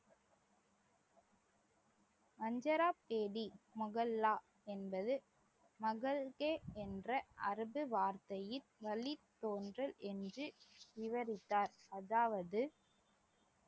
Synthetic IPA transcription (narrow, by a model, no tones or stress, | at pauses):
mɐɲd͡ʒɐɾaːpːeːɽimʊɣɐlːaː | ɛnbɐðɯ | mɐɣɐlɣeːɛndrɐʔɐɾɯbɯʋaːɾt̪ɐjɪlʋɐɭit̪ːoːndrɐlʔɛndrɯʋɪʋɐɾɪt̪ːaːɾɐðaːʋɐðɯ